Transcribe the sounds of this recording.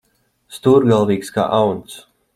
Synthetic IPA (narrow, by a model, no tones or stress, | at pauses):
st̪uɾɡalˠviːkska̰ːʔawnt̪s